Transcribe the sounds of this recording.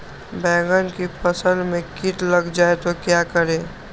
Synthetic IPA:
bɛ̃ːŋɡənkipʰəsə̃nd̪mẽkiʈləɡd͡ʒaːet̪okjakəɾẽː

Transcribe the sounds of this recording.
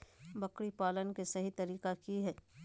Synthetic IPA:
bɐkɽipaːlənkesɐɦit̪ɐɾiːkakiɦɛː

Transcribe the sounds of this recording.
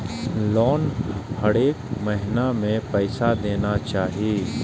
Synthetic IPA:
lɔːnhɐɽeːkmɛɦɪnamẽpɛːsad̪eːnat͡ʃaːɦieː

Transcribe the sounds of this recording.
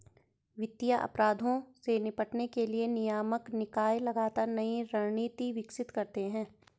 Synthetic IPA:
ʋɪt̪ːijaʔɐ̰pɾaːd̪ʱõsenɪpəʈnekelienɪjaːməknɪkaːjlɐɡaːt̪aːɾnɐiɾɐɽniːt̪iʋɪksɪt̪kɐɾt̪eɦɛ̃ː

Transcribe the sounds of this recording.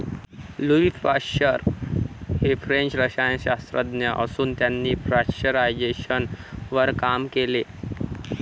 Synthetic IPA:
luifaɕəɾ | hefɾeɲt͡ɕɾəɕajɕast̪ɾəd̪njaʔəsuːnt̪janːiːfɾaɕəɾajd͡ʑeɕənʋəɾkamkele

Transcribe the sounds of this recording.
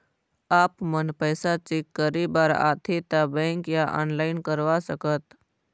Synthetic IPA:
aːpmənpəːsat͡ʃekːəɾibaːɾa̰ːt̪ʰet̪abɛ̃ːŋkjaʔa̰ːnlaːɪnkəɾʋasəkət̪

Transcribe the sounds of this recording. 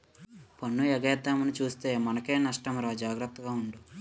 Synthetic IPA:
pɐnːuɛɡɐjɐd̪ːaːmɐnit͡ʃuːst̪eːmɐnɐke̞ːnɐʂʈɐmɾaːd͡ʒaːɡɾɐt̪ːɐɡaːuɳɖu

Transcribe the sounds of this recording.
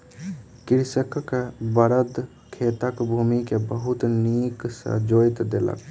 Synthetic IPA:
kiɾsəkkebəɾəd̪ | kʰet̪əkbʱumikebəɦut̪niksə̰d͡ʒojt̪d̪elə̰k

